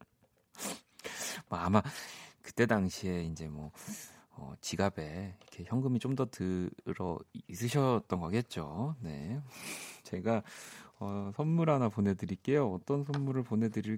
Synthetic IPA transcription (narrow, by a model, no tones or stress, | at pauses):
mʌamakɯ̥t͈e̞daŋɕʰie̞ind͡ʑe̞mwʌ̰ʌ̰t͡ɕiɡabe̞ikʰe̞çjʌŋɡɯmit͡ɕomdʌtɯɾʌ̰is̬͈ʰɯɕʰʌt͈ʌnɡʌket̚t͡ɕ͈one̞̰ | t͡ɕe̞ɡaʌsʰʌnmuɾanapone̞dɯɾik͈e̞joʌt͈ʌnsʰʌnmuɾɯɭpone̞dɯɾiɭ